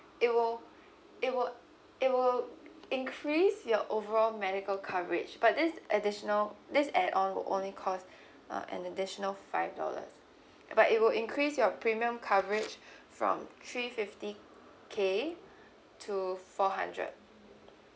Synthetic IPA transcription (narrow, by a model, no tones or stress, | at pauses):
ɪt̚wɪl | ɪt̚wɪl | ɪt̚wɪlɪ̃nkʰɹisjɔʔovəɹɔlmɛɾɪkəlkʰavəɹɪ̰d͡ʒbat̚dɪsʔədɪʃənəldɪsɛdʔɔ̃nwɪ̰lʔõ̰nlikʰɔs | ʌ̰ʔɛ̰̃nədɪʃənəlfaɪvdɔ̰lə̰s | b̥atɪt̚wɪlɪ̃ŋkʰɹisjɔpʰɹimiə̃mkʰavəɹɪd͡ʒfɹɔ̰̃mt̪ʰɹifɪfti | kʰe | tʰufɔɦã̰ndɹə̰d̚